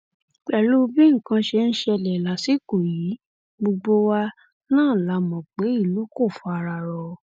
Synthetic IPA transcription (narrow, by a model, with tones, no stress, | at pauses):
k͡pɛ˨lu˦˧bĩ˦ŋ̩˨kã˧ʃe˧ñ̩˦ʃɛ˦˧lɛ˨la˨si˨˦ko˨ji˨˦ | ɡ͡bo˧ɡ͡bo˦wa˧ | nãː˦˨la˨˧˦mɔ̃˨k͡pe˨˦i˦˨lu˨˦ko˦˨fɔ˨˧a˧ɾa˧˨ɾɔ˧